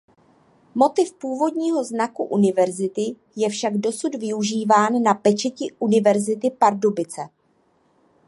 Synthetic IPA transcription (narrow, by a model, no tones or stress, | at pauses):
mo̞t̪ɪfpuːvo̞dɲiːɦo̞znakuʔunɪvɛɾzɪt̪ɪ | jɛfʃaɡdo̞sud̪vɪuʒiːvaːnːapɛt͡ʃɛcɪʔunɪvɛɾzɪt̪ɪpaɾdobɪt͡sɛ